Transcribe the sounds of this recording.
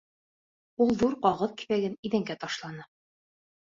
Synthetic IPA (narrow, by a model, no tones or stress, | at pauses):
ulˠðuɾqɑʁɤðki̥βæɡɘniðæŋɡæt̪ɒʃlˠɑnɤ